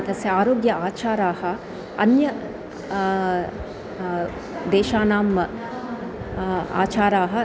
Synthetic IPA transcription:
t̪ɐsjɐaːɾoːɡjɐaːt͡ʃaːɾaːhɐ̆ | ɐ̰njɐ | d̪eːʃaːnaːmɐ | a̰ːt͡ʃaːɾaːɦɐ

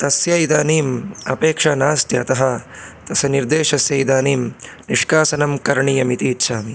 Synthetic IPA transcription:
t̪ɐsjɐjid̪aːniːmɐpeːkʂɐːnaːst̪jɐɐt̪ɐɦɐt̪ɐsɐniɾd̪eːʂɐsjɐid̪aːniːmniʂkaːsɐnɐmkɐɾɳiːjɐmit̪iːtːʃʰaːmi

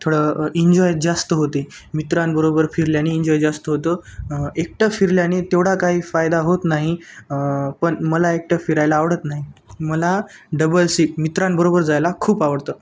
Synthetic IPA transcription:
t̪ʰoɽəiɲd͡ʑɔjd͡zast̪əɦot̪iː | mit̪ɾanbəɾobəɾfiɾljañiːɲd͡ʑɔjd͡zast̪əɦot̪əek̚ʈəfiɾljañit̪eʋɽ̤akaɦiːfajd̪aɦot̪naɦi | pəɳməlaek̚ʈəfiɾajlaːʋɽət̪naɦiməlaɖəbəlsik̚mit̪ɾãnbəɾobəɾd͡zajlakʰuːpaʋəɽt̪əː

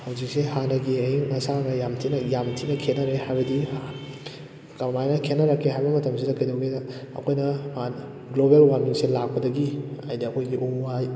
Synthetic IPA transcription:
hɐwzik̚sehanɐɡiɐjiŋɐsanɐjamtʰinɐjamtʰinɐkʰenːɐɾehajbɐdia | kɐmajnɐkʰenːɐɾɐkʰːeɦajbɐmɐtɐmsidɐkɐjdɐwɡedɐɐ̰kʰojnɐman | ɡlobelwaniŋselak̚pɐdɐɡiajdiɐkʰojɡiʔuaj

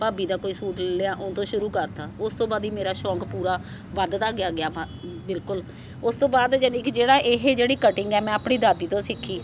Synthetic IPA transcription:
paːbiːd̪aːkoːiːsuːʈllɪaːʔʊnt̪õːʃʊɾuːkəɾt̪aːʊst̪õːbaːd̪iːmeːɾaːʃɔ̃ːkpuːɾaː | ʋəd̪t̪aːɡɪjaːɡɪjaː | bɪlkʊl | ʊst̪õːbaːd̪d͡ʒənɪkʰd͡ʒeːɽaːʔɪɦed͡ʒeːɽiːkəʈɪŋɡɛːmɛ̃ːaːpɳiːd̪aːd̪iːt̪õːsɪkʰːiː

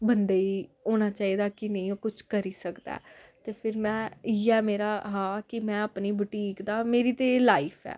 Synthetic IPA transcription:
bənd̪eːiːoːnaːt͡ʃaːiːd̪aːkɪnẽĩoːkʊt͡ʃʰkəɾiːsəkd̪a̰ːt̪eːpʰɪɾmɛ̃ːiːɛːmeːɾaːɦãːkɪmɛ̃ːəpniːbʊʈiːkd̪aːmeːɾiːt̪eːlaːipʰɛ̰ː

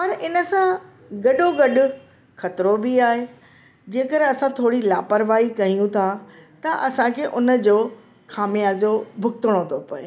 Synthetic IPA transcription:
pɐɾɪnə̆sã | ɡɐɗoɡɐɗʊ̆ | xɐt̪ɾobiaːɦe | d͡ʑeːkəɾɐsãt̪ʰoːɽilaːpəɾʋaːikɐɦijũt̪ʰat̪ɐʔɐsãkʰeːʔʊnə̆d͡ʑoː | xaːmijaːzobʱʊkt̪ʊɽ̃ot̪ʰopɐeː

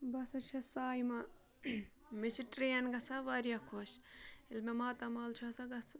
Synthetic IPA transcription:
bɐsɐt͡ʃʰɐsaːjmɐ | mit͡ʃʰiʈɾeːɐnɡɐsaʋɐɾijakʰoːʃilmemaːt̪ɐmaːlt͡ʃʰɐsɐɡɐt͡sʰu

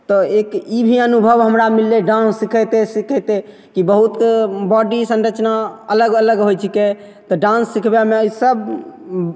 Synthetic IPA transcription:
t̪ɔekibʱiənubʱəbɦəmɾamilːeɖãnsːikʰət̪esikʰɛt̪e | kibəɦut̪bɔɖisə̃nɾət͡ʃnaələɡələɡɦojt͡ʃʰike | t̪ɔɖãnsːikʰbemeəjsəb

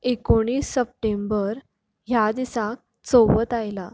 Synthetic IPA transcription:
ekoɽ̃iːsːəp̚ʈembəɾ | ɦjad̪isak̚ | t͡soʋət̪ajla

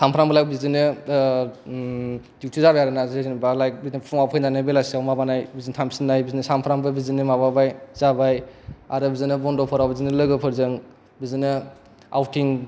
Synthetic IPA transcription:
sʰampʰɾambɯlajk̚bizinɯ | d̥iwtʰizabajaɾɯnazznbalajk̚bizinpʰɔŋawpʰɯjnanɯbelasiawmabanajbizintʰamsinːajbizinɯsampʰɾambɯbizinɯmababajz̥abaja̰ɾɯbizɯnɯbɔndɔpʰɔɾawbizinɯlɯɡɯpʰɯɾzɯŋ | bizinɯ | a̰wtiŋ

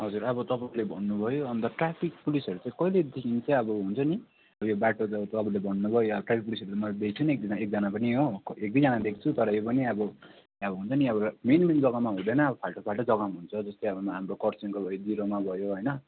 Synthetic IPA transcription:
ɦʌd͡zurʌbʌt̪ʌpãlebʱʌnːubʱʌjoʌnt̪ʌʈrapʰik̚pulisʌɾut͡sãĩkʌiled̪ekʰint͡saj̃ʌbʌɦunt͡sʰʌni | ʌbʌjobaʈoʌt̪ʌbulebʱʌnːubʱʌjoʌbʈrapʰik̚pulisʌɾut͡samʌlad̪ekʰit͡sʰʌniek̚d̪iek̚d͡zʌnapʌniɦokek̚d̪ʌd͡zʌnad̪ekʰi̥t͡sʰut̪ʌɾʌjopʌniʌbʌ | ʌbʌɦunt͡sʰʌniʌbʌmenmend͡zʌɡamaɦũd̪ʌnʌːbʌpʰalʈʌpʰalʈʌd͡zʌɡaɦunt͡sʰʌd͡zʌst̪ojʌbʌmaɦamrokʌrt͡siŋkobʱʌjod̪iɾomabʱʌjoɦʌjnʌ

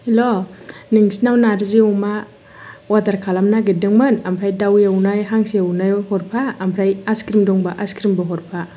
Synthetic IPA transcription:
iloniŋsinawnaɾziawma | wadaɾkʰalamnaɡidɯŋmɯnampʰɾajdawawnajɦaŋsiawnajhɔɾpʰaːmpʰɾajaskɾimdɔŋbaʔaskɾimbɔɦɔɾpʰa

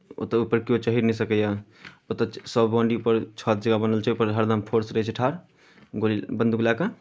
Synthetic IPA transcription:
o̰t̪əupəɾkijot͡ʃəɦiɾnəjsəkəja | ot̪əsəbbɔ̃ɳɖiupəɾt͡ʃʰɔt̪̚d͡ʒəɡabənəlt͡ʃʰɛupəɾɦəɾd̪ampʰoɾsɾəɦt͡ʃʰiʈʰaɾ | ɡolbənd̪uɡlaka

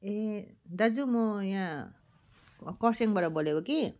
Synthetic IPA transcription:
ed̪ad͡zumʌjã | kʌseŋbaɾʌboleboki

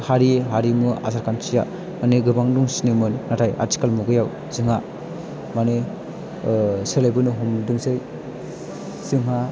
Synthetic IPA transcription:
haɾieɦaɾimɯa̰saɾkʰansija̰ | maneɡɯbaŋduŋsinemɯnːatʰaja̰ti̥kalmuɡɯjaw | zɯŋa | mane | selajbɯnɯɦumdɯŋsɯj | z̥ɯŋɦa

